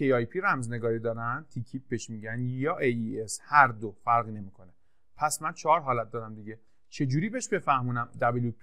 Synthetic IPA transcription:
ejɒjpʰiɾæmzne̞ɡɒːɾid̪ɒːɾænt̪ʰicʰip̚beʃmiːɟænjɒːʔejieshæɾd̪ofæɾɣine̞miːkʰo̞ne | pʰæsmænt͡ʃʰɒɾɦɒːlæt̪̚d̪ɒːɾæmd̪iɡɟe̞ | t͡ʃʰe̞d͡ʒuːɾiːbeʃbe̞fæhmuːnæmd̪æbeljupʰi

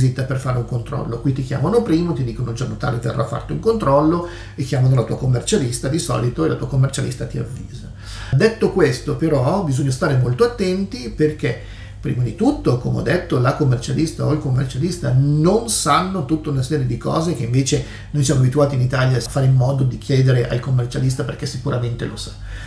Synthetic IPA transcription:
zit̪ːaperfaːɾeuŋkont̪ɾɔ̰lːokwit̪ːikja̰ːmanopɾiːmot̪id̪iːkonod͡ʒamot̪a̰ːlevḛrːʔa̰fːa̰rt̪ouŋkont̪ɾɔlːo | ekːjaːmanolat̪uːakomːert͡ʃalist̪ad̪isɔ̰ːlit̪oelat̪uːakomːert͡ʃalḭst̪at̪ia̰vːḭːza | d̪et̪ːokwest̪opeɾɔbizoɲːast̪aːɾemolt̪oat̪ːɛnt̪iperke | pːɾḭːmad̪it̪ut̪ːokomḛɔ̰d̪ːet̪ːolakomːert͡ʃalist̪aoilkomːḛrt͡ʃalist̪anonsanːot̪ut̪ːaunasɛːɾjed̪ikɔ̰ːzek̟eiɱveːt͡ʃe | nojsjamoabit̪uaːt̪init̪aːljafːaːɾeilmɔːd̪od̪ikʰjɛːd̪eɾeʔa̰lkomːert͡ʃalis̬t̪aperkɛsikuɾament̪ḛlo̰sḁ

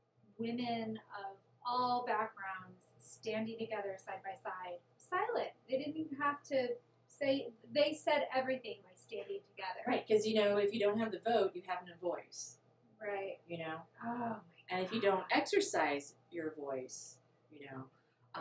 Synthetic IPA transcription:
wɪ̃mɨ̃nʌv | ɔlˠbæk̚ɡ̥ɹãʊ̃ndz̥stæ̃ndɪ̃ŋtɨɡɛðə˞saɪd̚baɪsaɪd̥̚saɪlˠɨ̃nðeɪɾɪdⁿn̩ɦæftʰɨ | seɪðeɪsɛɾɛvɹiθɪ̃ŋbaɪ̥stæ̃ndɪ̃ŋtʰɨɡɛðə̰˞ɹaɪt̚kʰʌzjɨnoʊɨfjɨdõʊ̃nt̚ɦɨvðɨvoʊtjɨɦævn̩ɨvɔɪs | ɹaɪt̚jɨnoʊoɨ̃nɨfjɨdõʊ̃ntɛksə˞saɪz | jə˞vɔɪs | jɨnoʊ

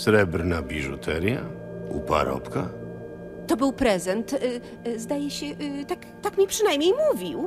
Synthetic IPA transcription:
sɾɛbɾnabʲiʐut̪ʰɛɾja̰ | upa̰ɾɔ̰pka | t̪ɔbɘwpɾɛzɛnt̪ | zd̪ajɛɕɛʔt̪ak | t̪akmʲɲɛpʂɨnajmɲejmuvʲiw

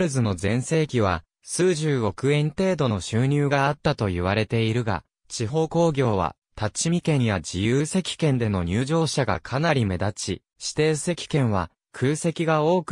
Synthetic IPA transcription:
ɾɯ̟zɨno̞zẽ̞ɰ̃se̞ːkʲiβ̞a̰ | sɨːʑɨːo̞kɯ̟ẽ̞nt̪e̞ːd̪o̞no̞ɕɨːɲ̟ʲɨːɡaːt̪ːat̪o̞jiβaɾe̞t̪e̞iɾɯ̟ɡa̰ | t͡ɕiɦo̞ːko̞ːɡʲo̞ːβa̰ | t̪at͡ɕimʲikẽ̞ɰ̃jad͡ʑijɯːse̞kʲi̥kẽ̞nd̪e̞no̞ɲ̟ɨːʑo̞ːɕaɡa̰kʰanaɾʲime̞d̪at͡ɕḭ | ɕi̥t̪e̞ːse̞kʲi̥kẽ̞ɰ̃β̞a̰ | kʰɯːse̞kʲiɡao̞ːk

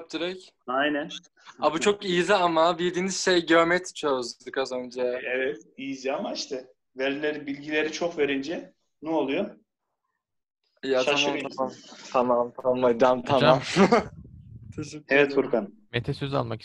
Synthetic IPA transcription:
p̚t̪ʰɯɾɛc | ajnæn | abut͡ʃʰo̞kijiziamabiɾd̪iːniz̥ʃɛjɟøɾmɛt̪ʰt͡ʃʰøzd̪d̪ɯkazønd͡ʒɛɛvɛt̪ijizjamaiʃt̪ʰɛ | veɾilʲeɾibilʲɟilʲeɾit͡ʃʰokveɾind͡ʒɛ | nuolˠujo | jat̪amamt̪ʰamamt̪ʰamamt̪ʰamad̪amt̪ʰamam | t͡ʃʰzevɛt̪fuɾkan | met̪ʰɛsøza̰lˠmaki̥

